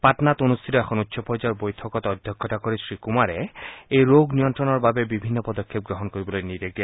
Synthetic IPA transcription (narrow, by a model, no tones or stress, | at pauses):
patnat̪onust̪ʰitoɛkʰɔnut̪ːʃʰɔpɔd͡ʑaɾbojtʰɔkɔt̪ɔd̪ʱjɔkʰːɔt̪akoɾisɹikumaɾeejɾoɡnijɔntɾɔnɔɹbabebibʱinːopɔd̪okʰːep̚ɡɾoɦɔnkoɾibolojniɾeɡɛ